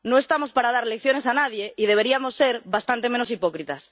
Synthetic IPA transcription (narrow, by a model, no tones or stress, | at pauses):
no̞e̞st̪amo̞spaɾað̞aɾlekθjo̞ne̞sanaðje̞iðe̞β̞e̞ɾiamo̞sːeɾβast̪ant̪e̞meno̞sipo̞kɾit̪as